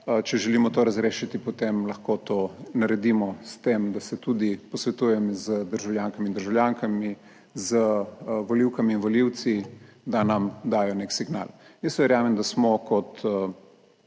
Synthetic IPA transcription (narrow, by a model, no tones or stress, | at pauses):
t͡ʃɛʒɛlimɔt̪oːɾɐzɾeːʃit̪ipot̪emlɐxkot̪oːnɐɾɛd̪imɔst̪emd̪asɛt̪ud̪ipɔsʋɛt̪ujɛmzəd̪əɾʒawljaːŋkamind̪əɾʒawljaŋkami | zəʋɔliwkamiːnʋoliwt̪sid̪anɐmd̪aːjɔneksiɡna̰ljəsʋɛɾjaːmɛmd̪asmɔkɔt̪